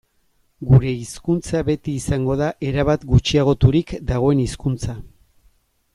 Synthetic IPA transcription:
ɡuɾe̞iskunt͡saβe̞t̪iːsaŋɡo̞ðaʔe̞ɾaβat̪ɡut͡ʃiaɣ̞o̞t̪uɾikd̪aɣ̞o̞e̞niskunt͡sa

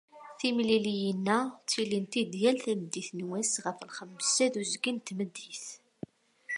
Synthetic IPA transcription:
θimlilijənːæt͡sːilint̪id̪jælθæməd̪ːiθnwæsʁəfəlχəmːsæðuzɡint̪məd̪ːiθ

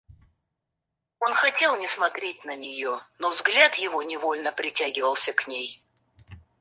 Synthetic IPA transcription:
o̞nxɐtʲe̞lˠnʲɪsmɐt̪ɾʲet̚ʲnənʲɪjo̞novzɡlʲat̪jɪvonʲɪvo̞lʲnəpɾʲɪtʲaɡʲɪvəlˠsʲəknʲej

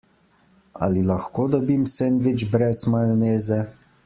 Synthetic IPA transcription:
a̰lilaxkoːd̪ɔbimsɛnd̪ʋid͡ʒbɾɛsmaneːzɛ

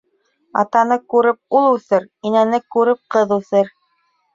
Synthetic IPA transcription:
ɑ̰t̪ɑnɤkʉɾɘp̚ulˠʉθɘɾinænɘkʉɾɘp̚qɤðʉθɘɾ

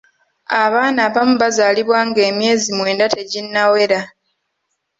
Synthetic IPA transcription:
aβaːnaːβamuβazaːliβwaːŋɡe̞ːmje̞ːzimwe̞ːndate̞ɟinːawe̞ɾa

